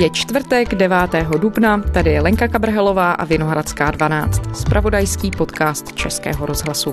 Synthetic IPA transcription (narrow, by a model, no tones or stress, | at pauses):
jɛt͡ʃt̪vrt̪ɛɡdɛvaːt̪ɛːɦo̞dubnat̪adɪjɛlɛŋkakabr̩ɦɛlo̞vaːʔa̰vɪno̞ɦɾat͡skaːdvana̰ːt͡st̪spɾʔavo̞dajskiːpo̞t̪kaːst̪t͡ʃɛskɛ̰ːɦo̞ɾo̞zɦlasu